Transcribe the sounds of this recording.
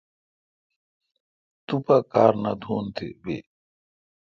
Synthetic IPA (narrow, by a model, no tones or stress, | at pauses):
t̪upakaːɾnɐd̪ʱuːnt̪ʰḭbḭ